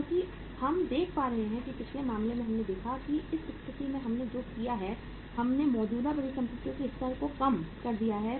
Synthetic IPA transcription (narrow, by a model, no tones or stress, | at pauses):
kõːki | hɐmd̪eːkʰpaːɾɐɦeɦɛ̃kipɪt͡ʃʰlemaːmlemẽɦɐmned̪eːkʰakiɪsɪst̪ɪt̪imẽɦɐmned͡ʒoːkijaɦɛ | hɐmnemɔːd͡ʒuːd̪abɐɽikɐ̃mpɪt̪jõkiɪxt̪əɾkokɐmkɐɾd̪ijaɦɛ